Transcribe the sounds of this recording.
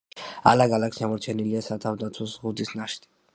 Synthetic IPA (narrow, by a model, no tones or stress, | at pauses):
a̰laɡalaksiamɔɾt͡ʃʰɛniliasat̪ʰavd̪at̪sʰwɔsʁud̪isnaʃd̪i